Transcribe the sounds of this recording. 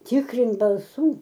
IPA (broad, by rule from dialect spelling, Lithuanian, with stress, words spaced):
ˈtʲɪkrʲɪnt bɐlˠˈsuː